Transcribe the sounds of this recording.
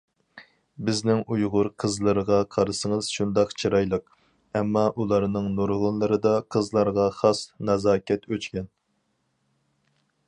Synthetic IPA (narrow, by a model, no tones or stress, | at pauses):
bɪznɪŋujʁʊɾqʰəzlˠɨɾəʁɑqʰɑɾɨsɨŋəz̥ʃund̪ɑqt͡ʃʰiɾɑjlˠəq | ɛmːɑʔulˠɑɾnɨŋnuɾʁʊnlˠɨɾɨd̪ɑqʰəzlˠɑɾʁɑχɑsnɑzɑːkʲʰɛt̪ʰøt͡ʃkʲɛn